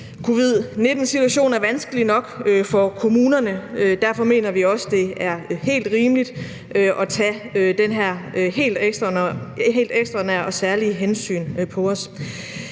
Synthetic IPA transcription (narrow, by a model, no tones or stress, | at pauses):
kʰo̝ːʋið̞̰ˠne̝d̥n̩sit͡sʰuæɕo̝̰ːnæɐʋænsɡ̥əlinɒ̽ɡ̥øfɒ̽kʰo̝muːnɐnəød̥æɐfɒ̽me̝̰ːnɐʋiɒ̽səd̥e̝æɐhe̝̰ːld̥ʁiːməlid̥ | ʔøʔɒ̽t͡sʰæød̥enɦæɐ̰øhe̝̰ːld̥eɡ̥sd̥ʁɐnɦe̝̰ːld̥eɡ̥sd̥ʁɐnæɐ̰ɒ̽sæɐliɦensy̰ːnpʰɒ̽ɒ̽s